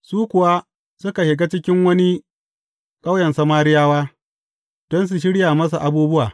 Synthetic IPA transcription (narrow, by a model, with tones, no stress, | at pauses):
suː˦kʷʊ˨wa˦ | sʊ˦ka˨hɪ˨ɡa˦t͡ʃɪ˦kʲɪ˦ŋwɐ˦ni˦ | kʼa˦wjɛ˨nsɐ˦maː˦ɾɪ˦jaː˦waː˦ | d̥ɔ˦ns̬u˨ʃ̬ɪ˦ɽjaː˨mɐ˦s̬a˨ʔa˨buː˦bʊ˦waː˨